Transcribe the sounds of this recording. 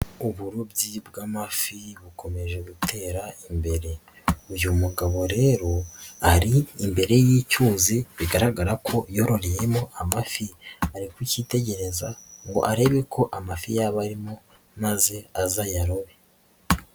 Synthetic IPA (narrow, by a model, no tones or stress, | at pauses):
uβuɾubɟibɡaːmafiβuko̞me̞ʒe̞ɡutʰe̞ɾaimbe̞ɾe̞ | ujumuɡaβo̞ɾe̞ːɾo̞aɾiːmbe̞ɾe̞jiːcuːziβiɡaɾaɡaɾakʰo̞jo̞ɾo̞ɾejemo̞amafiaɾikwiciːte̞ɟe̞ɾe̞zaŋɡo̞̰ʔaɾe̞βe̞kʰo̞ʔamafijaːβaɾimo̞ | maze̞azajaɾoβe̞